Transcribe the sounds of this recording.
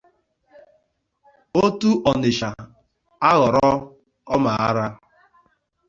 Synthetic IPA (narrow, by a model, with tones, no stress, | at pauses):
o˦tu˦ʔɔ˨nɪ˨ʃa˨ | a˦ɣɔ˨ɾɔ˦ | ɔ˦ma˨a˦ɾa˦